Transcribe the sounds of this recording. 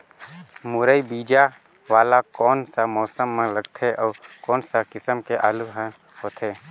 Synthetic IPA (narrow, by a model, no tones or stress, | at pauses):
mʊɾəibiːd͡ʒa | ʋaːlakɔːnsamɔːsəmːẽləɡt̪ʰeʔɔːkɔːnsakɪsəmkeʔaːluɦə̃ | hoːt̪ʰeː